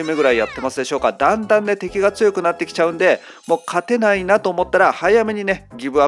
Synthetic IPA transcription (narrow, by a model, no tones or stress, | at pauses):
ɯme̞ɡɯ̟ɾaijat̪ːe̞masɨd̪e̞ɕo̞ːkad̪ãnd̪ãnːe̞t̪e̞kʲiɡat͡sɨjo̞kɯ̟nat̪ːe̞kʲi̥t͡ɕaɯ̟̃nd̪e̞ | mo̞ːkʰat̪e̞nainat̪o̞ːmo̞t̪ːaɾahaijame̞ɲ̟ine̞ɡʲibɯ̟a